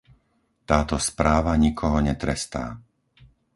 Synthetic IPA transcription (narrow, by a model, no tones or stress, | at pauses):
t̪aːt̪ɔspɾaːʋaɲikʰɔɦɔɲɛt̪ɾɛst̪a̰ː